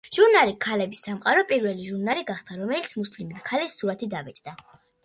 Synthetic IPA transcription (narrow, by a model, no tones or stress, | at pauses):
ʒ̥uɾnalikʰːalɛbisːamqʼaɾɔpʼiɾvɛliʒuɾnaliɡaχd̪ʰaɾɔmɛlit̪sʰmuslimkʰalɛsːuɾat̪ʰid̪avɛt͡ʃʼd̪a